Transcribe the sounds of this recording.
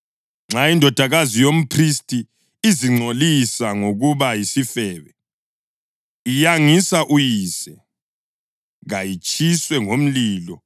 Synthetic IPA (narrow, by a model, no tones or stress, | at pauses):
ŋ͡ǁʱaindʱɔd̥ʱaɣazijom̩pʰristʼi | iziŋ͡ǀʱolisaŋoɣuβajisifɛːβɛ | ijaŋisaʔujiːsɛ | ɣajit͡ʃʼiswɛŋom̩liːlɔ